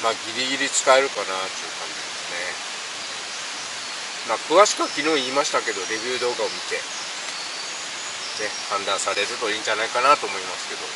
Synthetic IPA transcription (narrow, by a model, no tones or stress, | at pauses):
maːɡʲiɾʲiɡʲiɾʲit͡sɨ̥kaeɾɯ̟kanat̪ːeɯ̟kãɲ̟d͡ʑid̪e̞sɨne̞ | maːkɯ̟βaɕi̥kɯakʲinoːiːmaɕi̥t̪ake̞d̪o̞ɾe̞bʲɯːd̪o̞ːɡao̞mʲit̪e̞ | ne̞hãnd̪ãɰ̃saɾe̞ɾɯ̟t̪o̞iːɲ̟d͡ʑanaikanat̪o̞ːmo̞imasɨ̥ke̞d̪o̞̰